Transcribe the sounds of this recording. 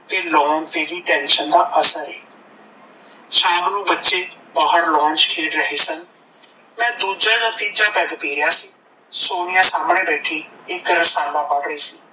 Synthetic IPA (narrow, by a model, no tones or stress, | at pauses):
t̪eːlɔ̃ːɳt̪eːɾiːʈɛ̃ːnʃənd̪aːʔəsəɾɛː | t͡ʃaːbnũːbətːʃeːbaːɦəɾlɔ̃ːɲt͡ʃkʰeːɽɾəɦeːsən | mɛ̃ːd̪uːd͡ʒãːnət̪iːd͡ʒãːbɛːɡpiːɾɪjaːsiː | soːɽɪjãːsaːmɳẽːbɛːʈʰiːɪkɾəsaːlãːpəlɾəiːsiː